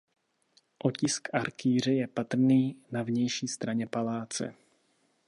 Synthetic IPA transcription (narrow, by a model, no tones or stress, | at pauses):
ʔocɪskʔaɾkiːr̝ɛjɛpat̪r̩niːnavɲɛjʃiːst̪ɾaɲɛpalaːt͡sɛ̰